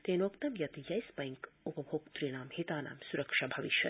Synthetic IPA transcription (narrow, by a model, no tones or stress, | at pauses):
t̪eːnoːkt̪ɐmjɐt̪jɐjspɐjŋkupɐbʱoːkt̪ɾinaːmhit̪aːna̰ːmsuɾɐkʂabʱɐʋiʃjɐ̰